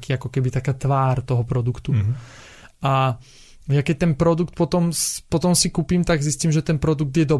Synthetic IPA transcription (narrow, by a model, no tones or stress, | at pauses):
kiːakɔkɛbit̪akaːt̪ʋaːɾt̪ɔɦɔpɾɔd̪ukt̪u | ʔa | jakɛc̚t̪ɛnpɾɔd̪ukt̪̚pɔt̪ɔmspɔt̪ɔmsikupimt̪aɡzisciːmʒɛt̪ɛnpɾɔd̪uɡ̚d̪jɛd̪ɔ